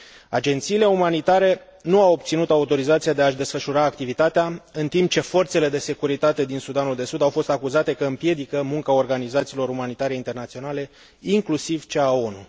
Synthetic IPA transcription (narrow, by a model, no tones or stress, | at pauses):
a̰d͡ʒe̞nt̪siːle̞umanit̪aɾe̞ | nuawob̚t̪sinut̪aut̪o̞ɾizat̪siad̪eaʃd̪e̞sfəʃuɾaːkt̪ivit̪at̪eaɨnt̪imp̚t͡ʃe̞fo̞rt̪se̞le̞d̪e̞se̞kuɾit̪at̪e̞d̪insud̪anuld̪e̞sud̪awfo̞st̪akuzat̪e̞kəɨmpje̞d̪ikəmuŋkao̞rɡanizat̪siːlo̞ɾumanit̪aɾe̞int̪ernat̪sio̞nale̞ | iŋklusivt͡ʃeao̞nṵ